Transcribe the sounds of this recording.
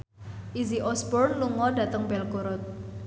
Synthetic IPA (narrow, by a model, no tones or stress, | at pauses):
ʔiziʔɔsbɔrnluŋɔdat̪əŋbɛlkuɾʊt̪̚